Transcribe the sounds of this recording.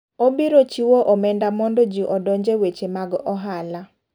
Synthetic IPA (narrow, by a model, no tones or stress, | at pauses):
obiɾot͡ʃiwoʔɔmɛndamɔndɔd͡ʒiʔɔdɔɲd͡ʒewet͡ʃemaɡʔɔɦala